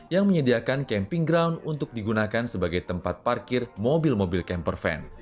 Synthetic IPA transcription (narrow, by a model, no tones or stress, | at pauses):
jaŋməɲədiakankɛmpiŋɡɾawndunt̪ʊk̚diɡunakansəbaɡajt̪əmpat̪̚parkɪrmobilmobilkɛmpərfɛ̰n